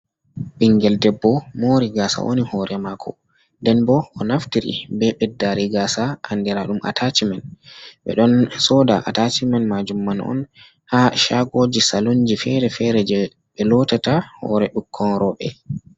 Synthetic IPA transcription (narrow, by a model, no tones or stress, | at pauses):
ɓiŋɡɛldɛbːɔmoːɾiɡasa̰ʔo̰nihɔɾʔɛmakʰɔ̰ | ndɛnbɔːnaftiɾḭbɛɓɛdːaɾiɡasaandɛɾaɗumʔa̰tʰat͡ʃimanɓɛ̰ɗɔnsɔdaʔa̰tat͡ʃimanmad͡ʒumːanɔ̰n | haʃaɡod͡ʒisaluɲd͡ʒifɛɾɛfɛɾɛd͡ʒɛ | ɓɛlɔtatahɔ̰ɾɛɗukʰːɔnɾɔɓɛ